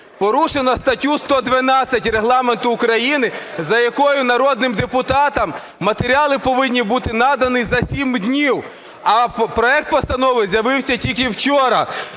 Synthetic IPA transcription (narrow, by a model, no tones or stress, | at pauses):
pɔɾuʃenɔst̪ɐtʲust̪ɔd̪ʋɐnɑt͡sʲːɐtʲreɦlˠɑment̪ʊːkɾɐjinɪzɐjɐkɔjʊnɐɾɔd̪̚nɪmd̪epʊt̪ɑt̪ɐmː | ɐt̪eɾʲiɑlˠɪpɔʋɪnʲːibut̪ɪnɑd̪ɐnɪzɐsʲimd̪ʲnʲiw | ɐpɾɔɛk̚t̪̚pɔst̪ɐnɔʋɪzʲjɐʋɪwsʲɐtʲilʲk̬ɪwt͡ʃɔɾɐ